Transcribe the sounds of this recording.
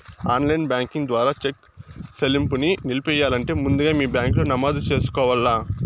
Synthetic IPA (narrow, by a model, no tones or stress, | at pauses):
aːnlɐjnbʲjaːŋkiŋd̪ʋaːɾaːt͡ʃek | selimpuninilipɛjaːlɐɳʈe̞ːmund̪uɡaːmiːbjaːŋkloːnɐmaːd̪ut͡ʃe̞ːsu̥kɔːʋɐlːaː